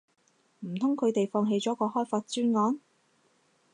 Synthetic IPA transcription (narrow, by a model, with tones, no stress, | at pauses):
m̩˨˩t̪ʰʊ˥ŋkʰɵ˨˧ɥt̪e˨jfɔː˧ŋɦe˧jt͡sɔː˨˥kɔː˧hɔː˥jfaː˧t̚t͡ʃyː˥nŋɔː˨˥n